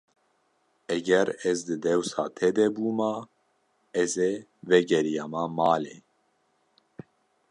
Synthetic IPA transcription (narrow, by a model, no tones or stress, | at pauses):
ɛɡɛɾɛzd̪ɨd̪ɛwsɑːt̪ʰɛd̪ɛbuːma | ɛze | vɛɡɛɾijɑːmamɑːle